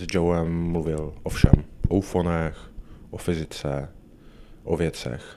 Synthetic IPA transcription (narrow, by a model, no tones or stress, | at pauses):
zd͡ʒowɛmːluvɪlʔofʃɛ̰mʔowfonɛxʔofɪzɪt͡sɛ | ʔovjɛt͡sɛ̰x